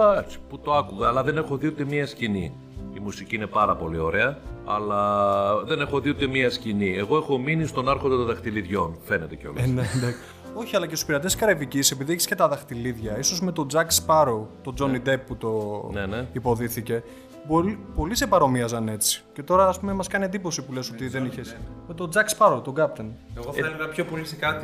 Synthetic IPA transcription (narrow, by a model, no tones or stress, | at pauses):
ɐksi̥put̪o̞ɐkuɣeɐlɐðene̞xoðiot̪emiɐscini | imusiciine̞pɐɾɐpo̞lio̞ɾeɐɐ̰lɐðe̞ne̞xo̞ðiot̪emiɐscinieɣo̞e̞xo̞minist̪o̞nɐɾxod̪et̪oðɐxt̪iliðʝo̞nfe̞net̪eceo̞̰lnend̪ɐk | o̞çiɐlɐcesu̥piɾɐt̪eskɐɾevicise̞piðieçi̥sce̞t̪ɐðɐxt̪iliðʝɐiso̞zme̞t̪o̞d͡zɐkspɐɾot̪o̞d͡zo̞nid̪e̞pːut̪o̞neneipo̞ðiθice̞ | bolipo̞lisepɐɾo̞miɐzɐne̞t͡si̥ce̞t̪o̞ɾɐːspumemɐskɐniend̪iposipuleso̞t̪iðe̞niçe̞sme̞t̪o̞d͡zɐkspɐɾowt̪o̞ɡɐpt̪eneɣoθɐeleɣɐpço̞po̞lisekɐt̪i